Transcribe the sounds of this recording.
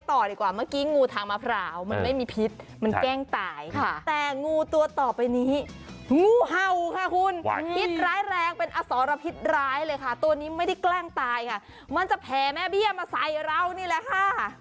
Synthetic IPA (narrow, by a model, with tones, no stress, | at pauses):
t̪ɔː˨˩diː˨˩kwaː˨˩maː˥˩kiː˦˥ŋuː˧t̪ʰaː˨˧ŋmaː˧pʰɾaː˨˦wma˧nma˥˩jmiː˧pʰi˦˥t̪̚ma˧nkɛː˥˩ŋt̪aː˨˧˩jkʰa˥˩t̪ɛː˨˩ŋuː˧t̪u˧ɐt̪ɔː˨˩pa˧jniː˦˥huː˧˦˩ɦa˧˨˩wkʰa˥˩kʰu˧npʰi˦˥t̪̚ɾaː˦˥jɾɛː˧ŋpe˧nʔaː˧sɔː˨˦ɾa˧pʰi˦˥t̪̚ɾaː˦˥jlɤː˧jkʰa˥˩t̪u˧ɐniː˦˥ma˥˩jda˥˩jklɛː˥˩ŋt̪aː˧jkʰa˥˩ | ma˧nt͡ɕa˨˩pʰɛː˨˩˦mɛː˦˥˩bi˥˩əmaː˧sa˨˩jɾa˧wniː˧˩lɛ˧˥kʰa˥˩